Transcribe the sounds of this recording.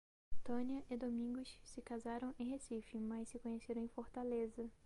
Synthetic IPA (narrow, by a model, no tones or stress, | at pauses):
t̪õniɐʔɪd̪omĩŋɡʊssɪkazaɾɐ̃w̃ẽj̃ɦesifɪmɐjssɪkõɲeseɾɐ̃ẽj̃foɾt̪alezɐ